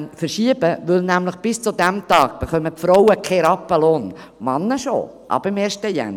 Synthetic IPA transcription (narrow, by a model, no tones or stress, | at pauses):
nfəɾʃiəbəʋʏlnæmləχb̥ɪst͡sud̪æmt̪ɑːɡ̥̚b̥ɛχœməpfɾɔwəkʰɛɾɑpːəloːn | mɑnːəʃo̰ | ʔɑ̰b̥əɪmeːʃtəjæ̰n